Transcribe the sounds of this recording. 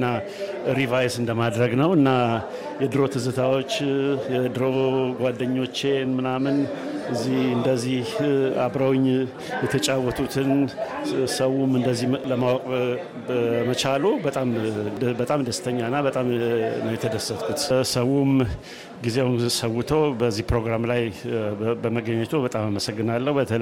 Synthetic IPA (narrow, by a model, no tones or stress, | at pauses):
nːa | ɾivajsɨnd̪əmad̪ɾəɡnəwɨnːa | jɛd̪ɨɾo̞t̪ʰɨzɨt̪ʰawo̞t͡ʃːjɛd̪ɨɾo̞ɡʷad̪ːəɲːo̞t͡ʃːe̞nmɨnamɨn | ɨzːihɨnd̪əzːiha̰bɾawɪɲː | jɛt̪ʰət͡ʃʼawːɔt̪ʰut̪ʰɨn | səwumɨnd̪əzːihləmawɔkʼ | mət͡ʃʰalubət̪ʼambət̪ʼamd̪əst̪ʰəɲːanːabət̪ʼamnəwjɛt̪ʰəd̪əsət̪kʰut̪səwum | ɡizeawunsəwːʊt̪ʰəwbəzːihpɾo̞ɡɾamlaj | bəməɡəɲːət̪ʰubət̪ʼamaməsəɡːɨnalːəhubət̪ʰə